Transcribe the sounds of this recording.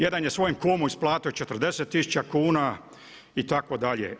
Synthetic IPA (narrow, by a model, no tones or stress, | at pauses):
je̞d̪anjesʋo̞jemkoːmuisplˠaːt̪ot͡ʃet̪ərd̪e̞set̪ːisu̥t͡ʃakuːna | it̪akod̪aʎḛ